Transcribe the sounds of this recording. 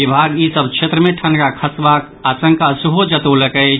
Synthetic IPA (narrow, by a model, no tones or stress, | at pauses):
ibʱaɡisəbkt͡ʃʰet̪ɾəmẽʈʰənkakʰəsbak | asə̃ŋkasuɦod͡ʒət̪oləkə